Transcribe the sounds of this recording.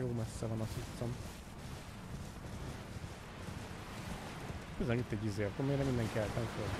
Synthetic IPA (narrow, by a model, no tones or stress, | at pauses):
joːmɛsːɛvɒnɒsut̪som | køznɛmit̪ːɛɟːizeːk̪omeːɾnɛmind̪ɛŋkiɛlt̪nɛmkøl